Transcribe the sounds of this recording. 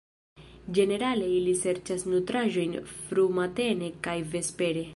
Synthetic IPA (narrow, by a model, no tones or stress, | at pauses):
d͡ʒe̞ne̞ɾale̞ilise̞ɾt͡ʃasnutɾaʒo̞jnfɾumate̞ne̞kajve̞spe̞ɾe̞